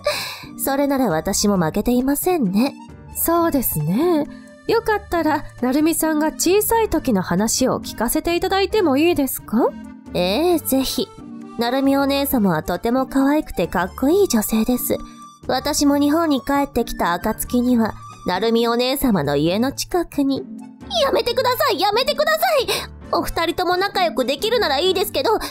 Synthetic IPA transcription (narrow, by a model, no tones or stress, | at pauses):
so̞ɾe̞naɾaβat̪aɕimo̞make̞t̪e̞imasẽ̞nːe̞ | so̞ːd̪e̞sɨne̞ | jo̞kat̪ːaɾanaɾɯ̟mʲisãŋɡat͡ɕiːsait̪o̞kʲino̞hanaɕio̞̰kʲi̥kase̞t̪e̞it̪ad̪ait̪e̞mo̞iːd̪e̞sɨ̥ka | eːze̞çi | naɾɯ̟mʲio̞ne̞ːsamaβ̞at̪o̞t̪e̞mo̞kaβaikɯ̟̥t̪e̞kakːo̞iːd͡ʑo̞se̞ːd̪e̞sɨ̰ | βat̪aɕimo̞ɲ̟iɦõ̞ɲ̟ːikae̞t̪ːe̞kʲi̥t̪aːkat͡sɨ̥kʲiɲ̟iβa | naɾɯ̟mʲio̞ne̞ːsamano̞̰ie̞no̞t͡ɕi̥kakɯ̟ɲ̟i | jame̞t̪e̞kɯ̟d̪asaijame̞t̪e̞kɯ̟d̪asai | o̞ɸɯ̟̥t̪aɾʲit̪o̞mo̞nakajo̞kɯ̟d̪e̞kʲiɾɯ̟naɾaiːd̪e̞sɨ̥ke̞d̪o̞